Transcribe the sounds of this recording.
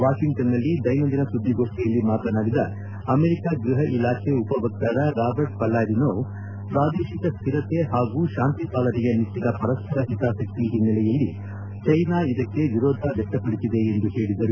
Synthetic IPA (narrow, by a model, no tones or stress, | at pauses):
ʋaːʂiŋt̪ɐnːɐlːid̪ɐjmɐnd̪inɐsud̪ʱːiɡo̞ːʂʈɛjɐlːimaːt̪ɐnaːɡid̪ɐ | ɐmeɾikaːɡɾuɦɐʔilaːkʰeupɐbɐk̚t̪ɐɾɐɾaːbɐɾɖ̚pɐlːaːɾinoː | pɾaːd̪eːʃikɐst̪ʰiɾɐt̪e̞ɦaːɡuːʃaːnt̪ipaːlɐnɛɡenit̪ːid̪ɐpɐɾɐspʰɐɾɐɦit̪aːʃɐkt̪iɦinːɐlɛjɐlːi | t͡ʃɐjnaːid̪ɐkːe̞ʋiɾoːd̪ʱɐʋɛkʈːɐpɐɽisid̪e̞ːnd̪uhe̞ːɽid̪ɐɾu